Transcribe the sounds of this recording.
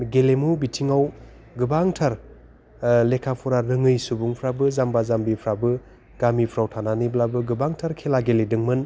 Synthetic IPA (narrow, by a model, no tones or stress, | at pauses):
ɡelemubitʰiŋaw | ɡɯbaŋtʰaɾ | lekʰapʰuɾaɾɯŋɯjsubuŋpʰɾabɯzambazambipʰɾabɯ | ɡ̥amipʰɾawtʰananiblabɯɡɯbaŋtʰaɾkʰelaɡeledɯŋmɯn